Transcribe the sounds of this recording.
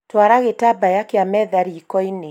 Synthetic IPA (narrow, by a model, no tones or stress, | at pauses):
twaɾaɣetabajakeamɛðaɾiːkɔine